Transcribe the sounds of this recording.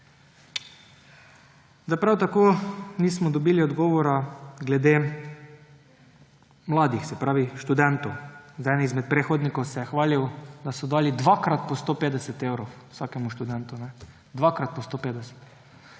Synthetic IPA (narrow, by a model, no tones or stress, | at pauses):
d̪apɾawt̪akoniːsmɔd̪ɔbiːliɔd̪ɡɔːʋɔɾaɡlɛd̪e | mlaːd̪ixsɛpɾaːʋiʃt̪ud̪ɛnt̪owzajnizmɛt̪̚pɾexod̪nikowsɛjɛxʋaːliwd̪asɔd̪aːlid̪ʋakɾat̪pɔst̪opeːd̪ɛsɛt̪ewɾowsakɛmuʃt̪ud̪ɛnt̪unɛ | d̪ʋaːkɾat̪̚pɔst̪opeːd̪ɛsɛ̥t̪